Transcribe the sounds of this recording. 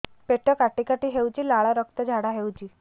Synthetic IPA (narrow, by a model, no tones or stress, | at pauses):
peʈəkaʈikaʈiɦewt͡ʃilaɭaɾək̚t̪əd͡ʒʱaɽaɦewt͡ʃi